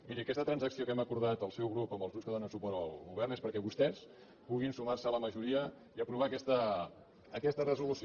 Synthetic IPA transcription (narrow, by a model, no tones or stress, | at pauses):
miɾiəkɛst̪ət̪ɾənzəksiokɛməkuɾð̞at̪əlˠsɛwɣɾupəmbəlzɣupskəðonəsupɔɾt̪əlˠɣuβɛrnespəɾkɛβust̪ɛs | puɣ̞insumarsələməʒuɾiə | iəpɾuβakɛst̪əː | kɛst̪ərəzulusi